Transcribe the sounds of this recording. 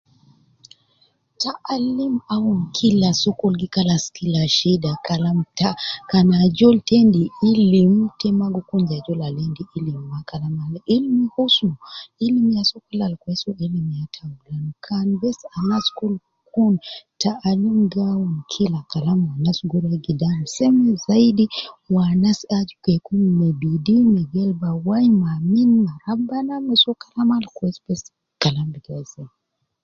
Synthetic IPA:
taʔalimawunkʰilasɔkɔlɡikalaskilaʃidakalamtakanad͡ʒɔltɛndiilimtɛmaɡɔkund͡ʒad͡ʒɔlalɛndiʔilimakalamalilimihusuilimjasɔkɛlalkwɛsuʔɛlimjatʰaŋɡulankʰanbɛsanaskul | kuntaʔalimɡawunkʰilakalamwanasɡuɾaɡidam̩sɛmɛzaidiwanasad͡ʒkɛkunmɛbidimɛɡɛlbawajmaminmaɾabanamɛsɔkalamalkwɛspɛs | kalambiɡazɛ

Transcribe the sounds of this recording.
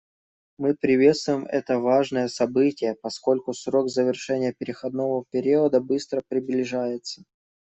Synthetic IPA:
mɨpɾʲɪvʲe̞t̪st̪vʊjɪmʔɛ̰t̪əvaʐnəjəsɐbɨtʲɪjəpɐsko̞lʲkʊsɾo̞ɡzəvʲɪrʂɛnʲɪjəpʲɪɾʲɪxɐd̪no̞vəpʲɪɾʲiəd̪əbɨst̪ɾəpɾʲɪblʲɪʐajɪt̪sə̥

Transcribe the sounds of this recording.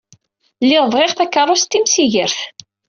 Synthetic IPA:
lːɪʁvʁɪʁθækːərˤːʊst̪ːimsiʝəɾθ

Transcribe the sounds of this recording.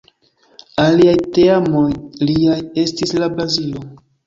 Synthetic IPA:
aliajteamojliaje̞stislabɾazilo̞

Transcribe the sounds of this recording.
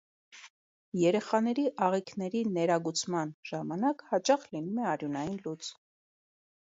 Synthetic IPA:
jɛɾɛχɑnɛɾiʔɑʁikʰnɛɾinɛɾɑɡut͡sʰmɑnʒ̥ɑmɑnɑkhɑt͡ʃɑχlinumɛɑɾjunɑjinlut͡s

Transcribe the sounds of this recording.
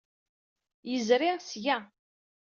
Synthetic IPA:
jəzɾɪʁsjæ

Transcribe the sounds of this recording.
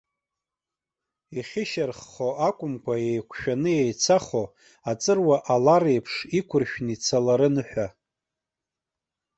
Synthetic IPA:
iχʲɪʃarχːoakʷʼʊmkʷʰajejkʷʰʃᶣanɨjejt͡sʰaχo | at͡sʼɨrwaʔalaɾejpʰʂikʷʰʊrʃᶣnit͡sʰalaɾɨnɨħᶣʷa

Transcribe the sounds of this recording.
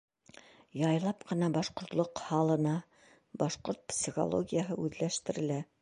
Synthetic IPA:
jɑjlˠɑpqɤ̆nɑbɑʃqŏɾt̪lˠoqhɑlˠɤ̆nɑ | bɑʃqoɾt̪̚psʲiχo̰lˠo̰ɡʲijəɦɤʉðlæʃt̪ɘ̆ɾɘ̆læ

